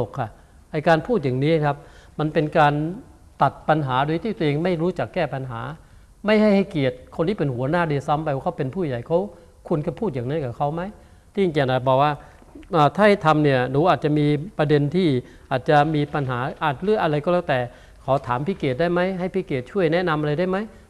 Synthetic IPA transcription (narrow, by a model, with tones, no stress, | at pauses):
o˨˩kʰa˧˩ | ʔa˧jkaː˧npʰuː˥˩t̪̚jaː˨˩ŋniː˦˥˧kʰa˦˥p̚ma˧npe˧nkaː˧n | t̪a˨˩t̪̚pa˧nɦaː˩˦du˧jt̪ʰiː˧˩t̪u˧ʔeː˧ŋma˥˩jɾuː˦˥t͡ɕa˨˩kːɛː˥˩pa˧nɦaː˩˦ | ma˥˩jha˥˩jha˥˩jki˨˩ət̪̚kʰo˧ntiː˥pe˧nhu˩˦ɐnaː˥˩deː˧sa˧˥mpa˧jwaː˧˩kʰwpe˧npʰuː˥˩˨ja˨˩jkʰa˧˥w | kʰu˧ənka˧˩pʰuː˥˩jaː˨˩ŋna˧˦˥ka˧˩kʰa˧˥wma˦˥j | t̪ʰiː˧˩˧ki˧˩naː˨˩bɔː˨˩k̚waː˧˥˩ | ʔaː˧˩t̪ʰaː˥˩ha˥˧˩t̪ʰa˧mni˧˩ɐnuː˨˦ʔaː˨˩t̪̚t͡ɕa˨miː˧pɾa˧de˧nt̪ʰiː˥˩ | ʔaː˨˩t̪̚t͡ɕa˨˧˩miː˧pa˧nɦaː˩˦ʔaː˨˩t̪̚lɯ˥˩əkʔa˧ɾa˧jkɔː˧˥˩lɛː˧˩wt̪ɛː˨˩ | kʰa˨˦t̪ʰaː˩˦mpʰi˦˥˩keː˨˩t̪̚daː˥˩jma˦˥˩jɦa˥˩jpʰiː˦˥˩keː˨˩t̪̚t͡ɕʰu˥˩əjnɛ˦˥na˧mʔa˧ɾa˧jdaː˥˩jma˦˥j